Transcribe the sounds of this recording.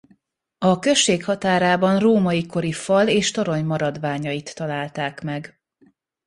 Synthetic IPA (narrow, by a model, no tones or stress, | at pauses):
ɒkø̞ʃːeːkhɒt̪aːɾaːbɒnroːmɒjiko̞ɾifɒleːʃt̪o̞ɾo̞ɲmɒɾɒd̪ʋaːɲɒjit̪ːɒlaːlt̪aːkmɛɡ